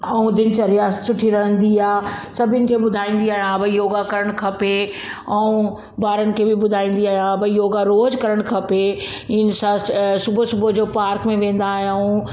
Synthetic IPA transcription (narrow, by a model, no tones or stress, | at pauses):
ɐũd̪ɪnt͡ɕɐɾijasʊʈʰiɾɐɦə̃nd̪iaːsɐbʱənɪ̆kʰebʊd̪ʱaːĩːn̆d̪iaːɦjãbɐjoːɡakɐɾəɽ̃kʰɐpe | ɐũ | baːɾənɪ̆kʰebɪbʊd̪ʱaːĩːn̆d̪iaːɦijãbɐjoːɡaɾoːd͡ʑkɐɾəɽ̃kʰɐpe | ɪn̆sãsʊbʱosʊbʱod͡ʑoːpaːɾkmẽʋẽːn̆d̪aːɦjũ